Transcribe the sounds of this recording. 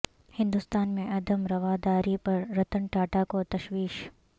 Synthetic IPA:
hɪ̃nd̪ʊst̪aːnmẽʔɐd̪ʱəmɾɐʋaːd̪aːɾipɐɾːɐt̪əɳʈaːʈakot̪ɐʃwiːʃ

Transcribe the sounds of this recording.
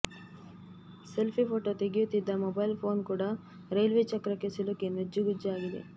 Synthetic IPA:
selpʰipʰoːʈot̪eɡijut̪ːid̪ːɐmobɐjlpʰo̞ːnkuːɽɐ | ɾejlʋeːt͡ʃɐkɾɐkːesilokenɐd͡ʒːuɡud͡ʒaːɡid̪e̞̰

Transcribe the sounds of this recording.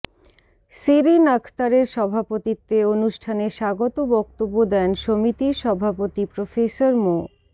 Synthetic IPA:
siɾinakʰt̪aɾeɾʃɔbʱapot̪it̪ːeonuʃʈʰaneʃaɡot̪obɔk̚t̪obːod̪ɛnʃomit̪iɾʃɔbʱapot̪ipɾofesoɾmo

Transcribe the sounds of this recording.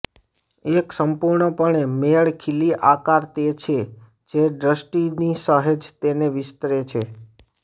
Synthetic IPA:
eksəmpuɾɳəpəɳemeɭkʰiliʔakaɾt̪et͡ʃʰe | d͡ʒeɖɾəsʈinisəɦed͡ʒt̪eneʋɪst̪ɾet͡ʃʰe

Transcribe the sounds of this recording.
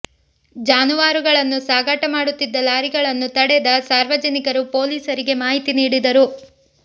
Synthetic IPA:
d͡ʒaːnuʋaːɾuɡɐɭɐnːusaːɡɐʈɐmaːɽut̪ːid̪ːɐlaːɾiɡɐɭɐnːut̪ɐɽed̪ɐsaːɾʋɐd͡ʒɐnikɐɾupo̞ːliːsɐɾiɡe̞maːɦit̪iniːɽid̪ɐɾu

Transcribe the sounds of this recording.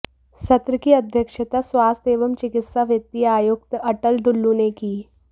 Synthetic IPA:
sɐt̪ɾəkiɐd̪ʱjəkʃət̪aswaːst̪eːʋəmt͡ʃɪkɪt̪saʋjət̪ːiaːjʊk̚t̪ɐʈəlɖʊlːũnekiː

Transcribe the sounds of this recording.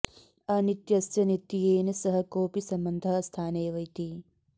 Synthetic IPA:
ɐnit̪jɐsjɐnit̪ːijeːnɐsɐɦɐkoːpisɐmbɐnd̪ʱɐst̪ʰaːneːʋɐjt̪i

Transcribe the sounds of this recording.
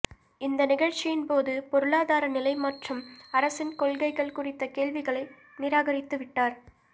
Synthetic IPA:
ɪnd̪ɐnɪɣɐɻt͡ʃɪjɪnpoːðɯpɔɾɯɭaːðaːɾɐnɪlɐɪmɐʈrɯmɐɾɐsɪnkɔɭɣɐɪɣɐɭkʊrɪt̪ːɐkeːɭʋɪɣɐɭɐɪ | nɪɾaːɣɐɾɪt̪ːɯʋɪʈːaːɾ

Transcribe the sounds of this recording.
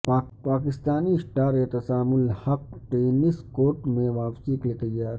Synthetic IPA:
papaːkɪst̪aːnisʈaːɾet̪ɐsaːmʊlhɐk̚ʈeːnɪskoːʈmẽʋaːpsiklɪkəaː

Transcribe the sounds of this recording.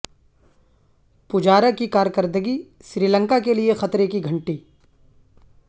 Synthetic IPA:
pʊd͡ʒaːɾəkikaːɾjkəɾd̪əɡi | ʃɾiːlə̃ŋkakeliexɐt̪ɾekiɡʱɐ̃ɳʈiː

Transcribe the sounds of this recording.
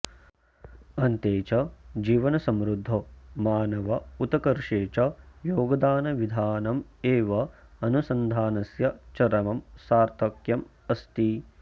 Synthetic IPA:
ɐnt̪eːt͡ʃɐd͡ʒiːʋɐnɐsɐmɾud̪ʱːomaːnɐʋɐut̪ɐkɐɾʂeːt͡ʃɐjoːɡɐd̪aːnɐʋid̪ʱaːnɐmeːʋɐɐnusɐnd̪ʱaːnɐsjɐt͡ʃɐɾɐmɐmsaːɾt̪ɐkjɐm | ɐst̪i

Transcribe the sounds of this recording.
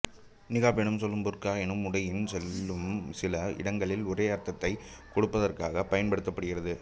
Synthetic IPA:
nɪɣaːpɛɳɯmsɔlːɯmbʊɾkaːɛnɯmʊɽɐjɪnsɛlːɯmsɪlɐɪ̰ɽɐŋɡɐɭɪlʊreːɐɾt̪ːɐt̪ːɐɪkɔɽɯpːɐðɐrka̰ːɣɐpːɐjɐnpɐɽɯt̪ːɐpːɐɽɯɣɪrɐðɯ

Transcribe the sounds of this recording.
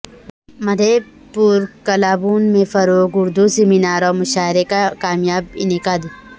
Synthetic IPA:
mɐd̪ʱe | puːɾkɐlaːbuːnmẽfɐɾoːɡʊɾd̪useminaːɾɔːɾmʊʃaːɪɾekakaːmjaːbɪ̰nɪkaːd̪

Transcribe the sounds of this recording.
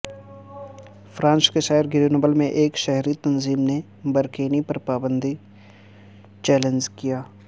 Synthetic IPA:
fɾãːnskeʃɛɦɪɾɡɪɾinobəlmẽʔeːkʃɛɦɾit̪ɐnziːmne | bɐɾkeːnipɐɾpaːbə̃nd̪ʱi | t͡ʃɛːlẽnd͡ʒkijaː

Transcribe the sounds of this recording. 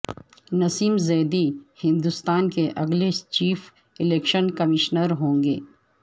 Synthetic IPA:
nɐsiːmzɛːd̪ihɪ̃nd̪ʊst̪aːnkeʔɐɡlet͡ʃiːf | ɪleːkʃənkɐmɪʃnəɾɦõːŋɡḛː

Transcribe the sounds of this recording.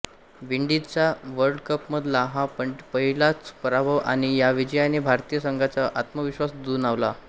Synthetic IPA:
ʋiɳɖit͡saʋəɾɖkəpməd̪ʱlaɦapəɳpəɦilat͡spəɾabʱəʋʔa̰ɽ̃ijaʋid͡ʑəjanebʱaɾt̪ijəsəŋɡʱat͡saʔat̪məʋiɕʋasd̪uːnaʋla̰

